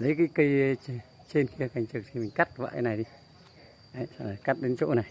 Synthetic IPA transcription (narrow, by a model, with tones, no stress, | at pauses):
lə˨˦jka˧˦kə˧j | t͡ɕe˧nxi˧ə˧xa˨˩˨ŋt͡ɕɨ˨˩k̚tʰi˧mi˨˩ŋka˦˥t̚va̰ː˧˨˧na˨˩jɗi˧ | ʔa˧˨a˧˨ka˦˥t̚ɗe˨˦nt͡ɕo̰˧˥na˨˩j